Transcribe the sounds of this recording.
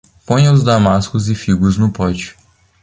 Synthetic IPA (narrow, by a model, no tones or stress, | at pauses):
põj̃ɐʊzd̪amaskʊzɪfiɡʊznʊpɔd͡ʒɪ̥